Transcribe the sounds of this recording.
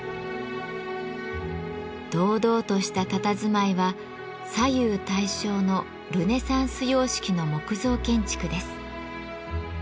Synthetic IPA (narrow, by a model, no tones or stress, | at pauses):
d̪̥o̞ːd̪o̞ːt̪o̞ɕi̥t̪at̪at̪azɨmaiβa | sajɯːt̪aiɕo̞ːno̞ | ɾɯ̟ne̞sãɰ̃sɨjo̞ːɕi̥kʲino̞mo̞kɯ̟zo̞ːkẽ̞ɲ̟t͡ɕi̥kɯ̟d̪e̞sɨ̥